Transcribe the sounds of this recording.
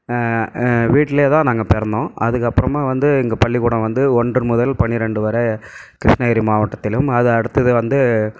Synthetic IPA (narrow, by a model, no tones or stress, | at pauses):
ʋiːʈːɪleːt̪ãːnaːŋɡɐpɛɾɐnd̪õːʔɐðɯkːɐpːɯɾɐmaːʋɐnd̪ɯɪŋɡɐpɐɭːɪkuːɽɐ̃ʋɐnd̪ɯɔɳdrɯmʊðɐlpɐɳːɪɾɛɳɖɯʋɐɾɐkɪɾɪʂɳɐɪɾimaːʋɐʈːɐt̪ːɪlɯmɐðɯɐɽɯt̪ːɐðɯʋɐnd̪ɯ